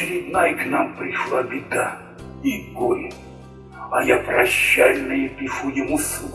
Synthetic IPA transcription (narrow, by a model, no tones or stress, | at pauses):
ɪɾʲɪd̪najknampɾʲɪʂlˠabʲid̪a | iɡolʲ | a̰japɾaɕːalʲnɨjɪpʲifujɪmusu